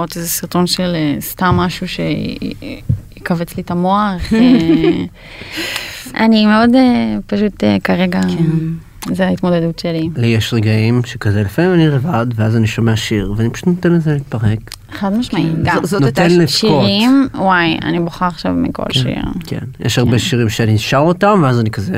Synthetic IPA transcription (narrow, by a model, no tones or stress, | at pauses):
otezesiʁt̪o̞nʃelest̪amːaʃuʃḛ | jekavet͡slit̪amoaχ | animeo̞depaʃut̪ekaʁeɡa | zeait̪mod̪edutʃelilijeʃʁeɡaimʃekazelefamimanilevadveazaniʃo̞meaʃiʁveanipḁʃu̥t̪not̪enlezelit̪̚paʁek | eχad̪maʃmaiɡanot̪enleʃkioʁimwaja̰niboχaʁaχʃavmḭko̰lʃḭʁkʰḛnjʔeʃaʁbeʃiʁimʃeaninʃaʁotamveazanikazḛ